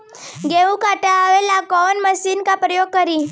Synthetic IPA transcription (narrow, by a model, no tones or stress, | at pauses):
ɡeũkaʈaaʋelakɔnməsiːnkapɾəjoɡ̚kəɾiː